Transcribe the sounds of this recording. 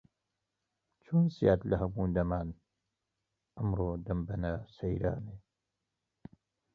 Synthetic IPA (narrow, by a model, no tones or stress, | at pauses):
t͡ʃʰoːnsijaːt̪lɐhɐmuːd̪ɐmaːn | ʔɐmɾoːd̪ɐmbɐnasɐjɾa̰ːne